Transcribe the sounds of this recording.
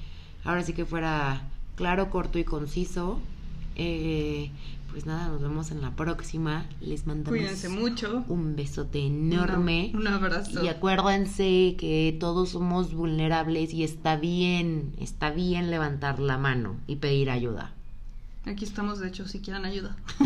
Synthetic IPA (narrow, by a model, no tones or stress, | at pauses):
ao̞ɾas̬ike̞fwe̞ɾaklaɾo̞ko̞ɾt̪o̞iko̞nsiso̞ | e | pwe̞znaðano̞zβe̞mo̞se̞nlapɾo̞ksima | le̞zmãnd̪amiðoenssemut͡ʃoumbe̞so̞t̪e̞ːno̞ɾme̞unaβɾasiakwe̞ɾðense̞ket̪o̞ð̞o̞sːo̞mo̞zβulne̞ɾaβle̞sie̞st̪aβje̞nḛst̪aβje̞nle̞βant̪aɾlamãno̞̰ipe̞ðiɾaʝuð̞a̰ | akiest̪amozðeet͡ʃosikjeɾanaʝuða